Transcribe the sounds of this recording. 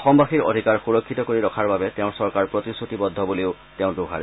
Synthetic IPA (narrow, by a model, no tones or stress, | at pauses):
ɔxɔmbaxiɹo̰dʱikaɹxuɹɔkʰːitɔkoɹiɹɔkʰaɹbabɛtɛʊ̃sɔɹkaɹpɹɔtisutibɔd̪ʱːɔbuleʊ | tɛʊ̃doɦa̰ɹ